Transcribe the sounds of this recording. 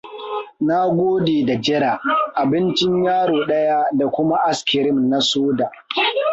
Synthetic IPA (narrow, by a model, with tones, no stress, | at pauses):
na˦ɡʷoː˦deː˨da˨d͡ʒɪ˦ɾa˨ʔa˨bɪ˦nt͡ʃɪ˦ɲjaː˦ɽoː˨ɗɐ˦ja˦da˨kʷʊ˦ma˦ʔa˦skʲɪ˨ɾɪ˦mna˦soː˦daː˨ʔ